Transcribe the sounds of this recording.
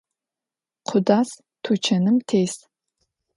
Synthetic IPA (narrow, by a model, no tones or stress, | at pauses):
qʷʰʊdaːs | tʰut͡ʃʰɐnɨmtʰejs